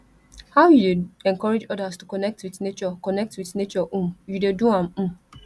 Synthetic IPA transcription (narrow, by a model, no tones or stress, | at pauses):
hawjudeɛ̃ŋkɔɹed͡ʒɔdastukɔnɛk̚twiθnet͡ʃɔkɔnɛk̚twiθnet͡ʃɔʔũmjudeduãmm̩